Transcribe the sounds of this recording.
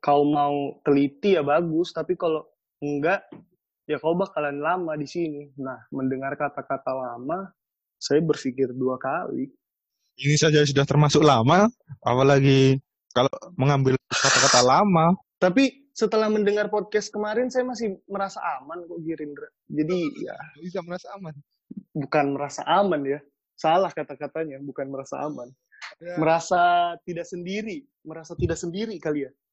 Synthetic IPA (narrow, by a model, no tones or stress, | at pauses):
kaumaut̪əlit̪ijabaɡʊst̪apikalo | əŋɡaʔ | jakaubakalanlamadisininahməndəŋarkat̪akat̪alama | sajabərfikɪrduakalḭ | inisad͡ʒas̬udaht̪ərmasʊk̚lamaa̰palaɡi | kaloməŋambɪlkat̪akat̪alama | t̪ap̬i | sət̪əlahməndəŋarpod̚kɛst̪̚kəmaɾɪnsajamasɪhməɾasa̰ʔːmankɔʔɡiɾɪnra | d͡ʒadija̰iɡaməɾasaːman | bukanməɾasa̰ʔamanja | salahkat̪akat̪aɲabukanməɾasa̰a̰man | məɾasat̪idaʔsəndiɾi | məɾasat̪idaʔ̚səndiɾikalian